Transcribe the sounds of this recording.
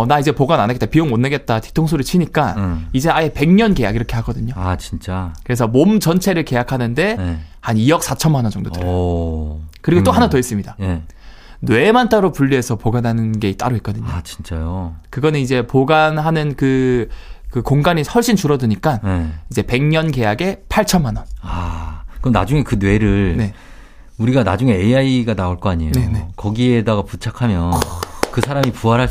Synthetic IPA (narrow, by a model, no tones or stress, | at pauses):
ʌnaid͡ʑe̞poɡananaɡet͈apioŋmonːeɡe̞t̚t͈ati̥tʰoŋs̬ʰoɾɯit͡ɕʰiɲik͈aid͡ʑe̞aje̞pe̞ŋɲʌnɡe̞ja̰ɡiɾʌkʰe̞ɦaɡʌdɯɲoat͡ɕint͡ɕ͈akɯɾesʰʌmomt͡ɕʌnt͡ɕʰe̞ɾɯɭke̞jakʰanɯnde̞hanijʌk̚s͈at͡ɕʰʌmanʌd͡ʑʌŋdotɯɾʌ | kɯɾiɡot͈oɦanatois͈ɯmɲida | we̞mant͈aɾopuʎːiɦe̞sʰʌpoɡanɦanɯnɡe̞it͈a̰ɾoik͈ʌdɯɲot͡ɕi̥nt͡ɕ͈ajokɯɡʌnɯnid͡ʑe̞poɡanɦanɯnkɯ | kɯkoŋɡaɲihʌɭɕ͈int͡ɕuɾʌdɯɲik͈aneid͡ʑe̞pe̞ŋɲʌnɡe̞jaɡe̞pʰaɭt͡ɕʰʌnmanʌnakɯɾʌmna̰d͡ʑuŋe̞kɯnwe̞ɾɯɭne̞ | uɾiɡanad͡ʑuŋe̞eaiɡanaoɭk͈ʌaɲijnene̞kʌɡiedaɡaput͡ɕʰakʰamjʌnkɯsʰaɾamipuɦaɾɦa